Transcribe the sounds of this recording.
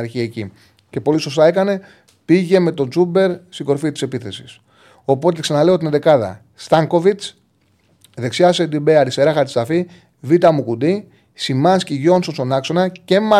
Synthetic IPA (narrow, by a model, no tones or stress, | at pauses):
ɾçiɐeci | ce̞po̞liso̞st̪ɐe̞kɐne̞ | piʝe̞me̞t̪o̞d͡zube̞ɾsiɡo̞ɾfit̪i̥se̞piθe̞si̥s | o̞po̞t̪̬e̞ksɐnɐle̞ot̪ined̪e̞kɐðɐ̰ | st̪ɐŋko̞vit͡s | ðe̞ksiɐsed̪ibeɐɾist̪e̞ɾɐxɐɾt̪i̥st̪ɐfi | vit̪ɐmukud̪i | simɐnsciʝo̞nso̞nso̞nɐkso̞nɐce̞mɐ